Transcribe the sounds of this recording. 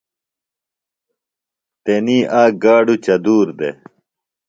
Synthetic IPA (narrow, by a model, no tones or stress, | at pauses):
t̪eniːʔaːɡaːɖut͡ɕɐd̪uːɾd̪ḛ